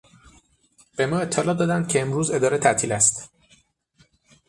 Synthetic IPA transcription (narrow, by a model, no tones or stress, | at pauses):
b̥e̞mɒːe̞t̪ʰːelɒːd̪ɒːd̪ænd̪̚cʰeemɾuːze̞d̪ɒːɾe̞t̪ʰæt̪ʰiːlæst̪